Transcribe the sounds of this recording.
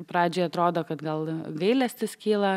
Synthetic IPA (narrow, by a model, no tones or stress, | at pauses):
pɾɑːd͡ʒʲoːɪɐt̪ɾoːd̪oːkɐt̪ɡɐlˠɡɐɪlʲɛsʲt̪ʲɪskʲiːlˠɐ